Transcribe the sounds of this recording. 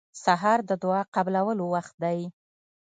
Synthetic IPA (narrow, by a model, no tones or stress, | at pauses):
saɦɑɾd̪əd̪ʊɑqablawəlowaxt̪̚d̪aj